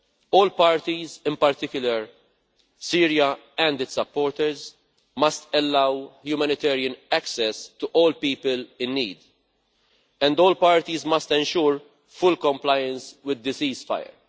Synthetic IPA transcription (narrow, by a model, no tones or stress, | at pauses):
ɔːlpɐːɾt̪izɪ̃mpɐɾt̪ɪkjʊlɐɾ | siːɾijɐ | ɛ̃nd̪ɪtsɐpːɔːɾt̪ɛɾz | mɐst̪ɛlːɐwhjumɛnɪt̪ɛːɾiə̃nɛksɛst̪uʔɔːlpiːpəlɪ̃nːḭːd̪ | ɛ̃nd̪ɔːlpɐːɾt̪izmɐst̪ɛ̃nʃuːɾ | fʊlkɔ̃mplɐjə̃nswɪd̪ːɪsiːzfɐ̰jə̰ɾ